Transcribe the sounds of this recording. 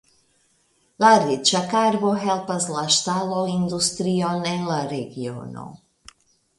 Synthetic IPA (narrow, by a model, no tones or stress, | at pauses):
laɾit͡ʃakaɾboɦelpaslaʃt̪aloind̪ust̪ɾionenlaɾeɡio̰no̰